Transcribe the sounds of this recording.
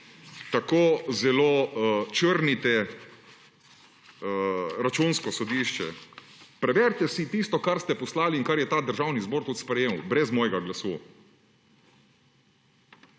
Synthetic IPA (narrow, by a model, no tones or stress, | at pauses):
t̪akoːzɛloːt͡ʃəɾnit̪ɛ | ɾat͡ʃunskɔsɔd̪iːʃt͡ʃɛ̰ | pɾɛʋɛɾt̪ɛsit̪ist̪ɔkaɾst̪ɛpɔslaːliːŋkaɾjɛt̪aːd̪əɾʒaːwnizboːɾt̪ut̪spɾɛjeːmwbɾɛzmɔːjɛɡaɡlasṵː